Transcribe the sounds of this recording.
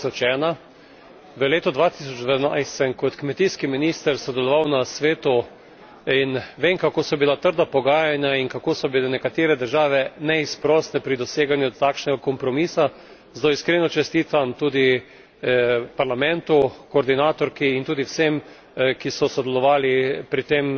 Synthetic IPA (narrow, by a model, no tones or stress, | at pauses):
ɔt͡ʃɛːna | ʋəleːt̪ɔd̪ʋat̪isɔd͡ʒd̪anajst̪sɛmkɔt̪kmɛt̪iːskiminiːst̪əɾsɔd̪ɛlɔʋawnasʋeːt̪u | inʋeːmkakoːsɔbilat̪əɾd̪apɔɡaːjanjainkakoːsɔbilɛnɛkat̪eːɾɛd̪əɾʒaːʋɛnɛispɾɔːsnɛpɾid̪ɔseːɡanjut̪aːkʃnɛɡakɔmpɾɔmiːsa | zd̪oiskɾenɔt͡ʃɛst̪iːt̪amt̪uːd̪i | paɾlamɛ̃nt̪ukoːɾd̪inaːt̪ɔɾkiːnt̪uːd̪iwsem | kisɔsɔd̪ɛlɔʋaːlipɾit̪em